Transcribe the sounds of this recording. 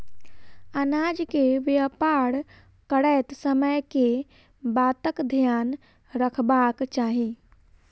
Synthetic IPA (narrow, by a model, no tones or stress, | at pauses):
ənaːd͡ʒkeʋjəpaɽ | kəɽɛt̪səməjke | baːt̪əkd̪ʱjaːn | ɾəkʰbakt͡ʃaːɦi